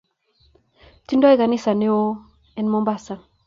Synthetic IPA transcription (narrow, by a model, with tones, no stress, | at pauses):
ti˦ndɔ˦e˦ka˨ni˦sa˨ne˦wo˦ | ɛ˦nmo˦mba˦sa˨